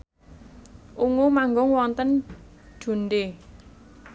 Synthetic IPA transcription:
ʔuŋumaŋɡʊŋwɔnt̪ən̥d͡ʒ̥ṳnɖe

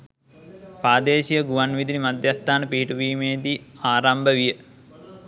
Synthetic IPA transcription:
paːd̪eːʃijəɡuʋanʋid̪inimad̪jast̪aːnəpiɦiʈuʋiːmeːd̪iaːɾambəʋijə

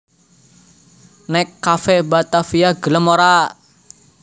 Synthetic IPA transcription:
nɛkːafɛbat̪afiaɡ̥ə̤ləmoɾa

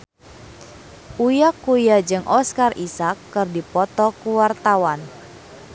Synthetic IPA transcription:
ʔujakːujad͡ʒɨŋʔɔskarisakːɨrdipɔt̪ɔkuwart̪awan

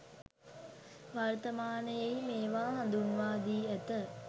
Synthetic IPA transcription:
ʋaɾt̪ɐmaːnəjejmeːʋaːɦand̪unʋaːd̪iːæt̪ə

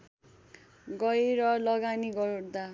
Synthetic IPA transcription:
ɡʌjɾʌlʌɡaniɡʌrd̪a

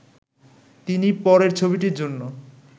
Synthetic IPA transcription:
t̪inipɔɾeɾt͡ɕʰobiʈiɾd͡ʑonːo

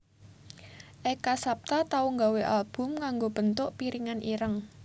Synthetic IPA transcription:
ʔɛkasap̚t̪at̪auŋɡaweʔalb̥ʊ̤mkaŋɡob̥ə̤nt̪ʊʔpiɾiŋanʔiɾəŋ

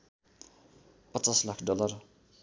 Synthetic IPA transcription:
pʌt͡saslakʰɖʌlʌr

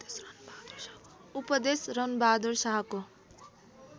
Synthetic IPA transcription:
upʌd̪esrʌnbaːd̪oɾsaɦʌko

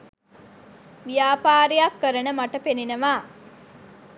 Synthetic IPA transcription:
ʋijaːpaːɾejakːəɾənəmaʈəpeninəʋaː

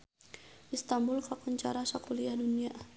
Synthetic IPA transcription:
ʔist̪ambulkakɔɲt͡ʃaɾasakuliadunia

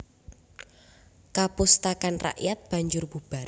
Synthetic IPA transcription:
kapʊst̪akanra̰ʔjat̪̚b̥a̤ɲd͡ʒʊrb̥ub̥a

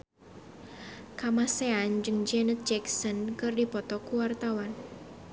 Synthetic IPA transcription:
kamaseand͡ʒɨŋd͡ʒɛnət̪̚d͡ʒɛksɔnkɨrdipɔt̪ɔkuwart̪awan

